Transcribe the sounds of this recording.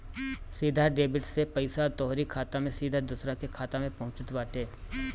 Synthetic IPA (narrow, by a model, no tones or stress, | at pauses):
siːd̪ʱaɖeːbɪʈsepɐɪsat̪ɔːɦɾikʰaːt̪ãmẽsiːd̪ʱad̪ʊsɾakekʰaːt̪ãmẽpɐɦʊ̃t͡ʃət̪baːt̪eː